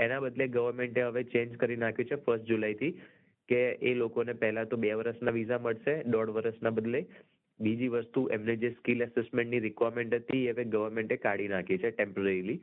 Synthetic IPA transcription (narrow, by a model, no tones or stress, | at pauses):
enabəd̪leɡəʋəɾmeɳʈeɦəʋet͡ʃẽɲd͡ʒkəɾinakʰjot͡ʃʰefəɾsʈd͡ʒulajt̪ʰi | keelokonepɛɦɛlat̪õbeʋəɾəʃnaʋizaməɭʃeɖɔɽʋəɾəʃnabəd̪le | bid͡ʒiʋəst̪uʔemned͡ʒeskiləsesmẽɳʈniɾɪkʋaɾmẽɳʈət̪ʰiɦəʋeɡəʋəɾmẽɳʈekaɽinakʰet͡ʃʰeʈempəɾeɾili